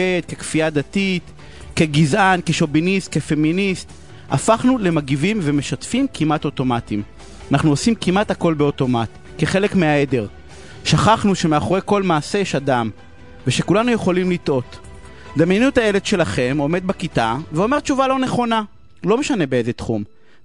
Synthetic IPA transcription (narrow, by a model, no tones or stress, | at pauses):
et̪̚kekfiad̪at̪it̪ | ke̞ɡizʔankeʃo̞binist̪̚kefe̞minist̪ | a̰faχnule̞maɡivimveme̞ʃatfimkimato̞to̞matim | anaχnuosimkimat̪hako̞lbeo̞to̞mat | keχe̞le̞kmeaede̞ʁ | ʃaχaχnuʃe̞meaχoʁejko̞lmaːsejɛʃadam | veʃe̞kulanuje̞χo̞limlit̪ʔo̞t̪ | d̪amjenuet̪aeledʃe̞laχe̞mo̞me̞d̪̚bakit̪aveo̞me̞ʁt͡ʃuvalo̞neχo̞na | lo̞meʃane̞beezet̪χum